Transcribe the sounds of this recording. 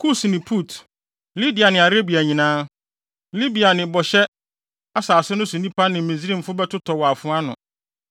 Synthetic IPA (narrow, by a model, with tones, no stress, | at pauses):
kʰu˦snɪ̃˨pʰu˦˨t | li˦di˨a˨nɪ̃˨a˨ɾe˦bi˨æ˨ɲĩ˨nãː˦ | li˦bi˨a˨nɪ̃˨bɔ˨ɕɛ˦ | a˦saː˨sʊ˦nʊ̃˦sʊ̃˨nĩ˦pʰa˦nɪ̃˨mĩ˨zi˦ɾĩ˦m̩˨fʊ˦bɛ˦tʰʊ˦tʰɔ˨wɔ˨a˨fʊ̃˦a˦nʊ̰̃˨